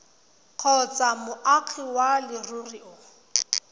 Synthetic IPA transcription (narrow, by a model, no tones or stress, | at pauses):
q͡χʰɔt͡samʊʔaq͡χʰiwalɪruriʊ